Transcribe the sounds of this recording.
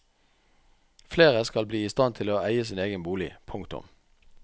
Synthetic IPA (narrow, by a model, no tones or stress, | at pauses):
fleːʁəskɑlbliːɪst̪ɑnt̪ʰɪloːæɪəsiːneːɡənbuːlɪ̰pʰʊŋkt̪ʊ̰m